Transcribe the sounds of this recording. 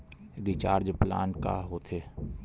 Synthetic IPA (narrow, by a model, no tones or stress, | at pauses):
ɾɪt͡ʃaːɾd͡ʒpla̰ːnka̰ɦot̪ʰeː